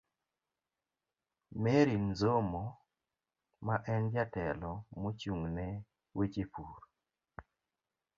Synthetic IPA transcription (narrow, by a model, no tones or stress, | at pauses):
meɾinzomo | maʔɛnd͡ʒatɛlɔmot͡ʃuŋnɛ | wit͡ʃipuɾ